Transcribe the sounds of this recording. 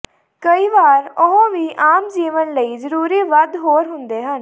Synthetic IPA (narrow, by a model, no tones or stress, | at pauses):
kəiːʋaːɾʊɦõːʋiːʔaːmd͡ʒiːʋənləiːzəɾuːɾiːʋəd̪ɦoːɾɦʊnd̪eːɦən